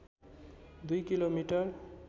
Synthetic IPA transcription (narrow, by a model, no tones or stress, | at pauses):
d̪ujkilomiʈʌr